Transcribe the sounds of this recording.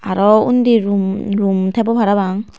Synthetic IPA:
aɾɔundiɾumɾumtʰebɔpʰaɾabaŋ

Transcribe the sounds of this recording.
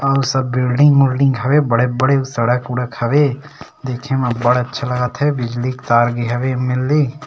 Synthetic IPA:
ɐsɐbːɪlɖɪ̃ŋɡmʊlɖɪ̃ŋɡɦɐʋebɐɽebɐɽesɐɽəkʊɽəkhɐʋe | d̪eːkʰemẽbɐɽɐtːʃʰalɐɡət̪ɦɛbɪd͡ʒlikt̪aːɾɡiɦɐʋemɪlːi

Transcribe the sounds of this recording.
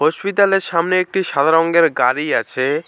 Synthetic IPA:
ɦoʃpit̪̬aleɾʃamneek̚ʈiʃad̪ʱaɾoŋɡeɾɡaɾiat͡ɕʰe

